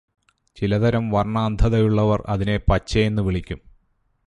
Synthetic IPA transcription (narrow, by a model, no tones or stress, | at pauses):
t͡ɕilɐd̪ɐɾɐmʋɐrɳaːnd̪ʱɐðɐjuɭːɐʋɐrɐ̰ðine̞pɐt͡ɕːɐjenːɨʋiɭikʲːum